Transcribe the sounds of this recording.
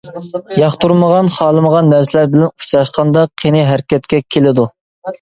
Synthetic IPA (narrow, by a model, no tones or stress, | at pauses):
jɑχt̪uɾməʁɑnχɑːlˠɨməʁɑnːæɾsɪlæɾbɪlɛnut͡ʃɾɑʃqɑnd̪ɑqʰenɪɦæɾkʲʰɛt̪̚kʲɛkʲʰelɪd̪u